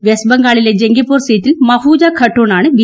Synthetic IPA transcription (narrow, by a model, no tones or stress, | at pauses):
ʋesbɐŋɡaːɭiled͡ʑeŋɡipːoːɾsiːtːilmɐfuːd͡ʒaːkʰɐʈːoːnaːɳɨbi